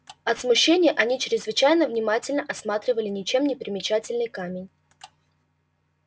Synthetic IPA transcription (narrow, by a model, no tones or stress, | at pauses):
ɐt̪smʊɕːenʲɪjəʔɐnʲit͡ɕɾʲɪzvɨt͡ɕæjnəvnʲɪmatʲɪlʲnəʔɐsmat̪ɾʲɪvəlʲɪnʲɪt͡ɕe̞mnʲɪpɾʲɪmʲɪt͡ɕætʲɪlʲnɨjkamʲɪnʲ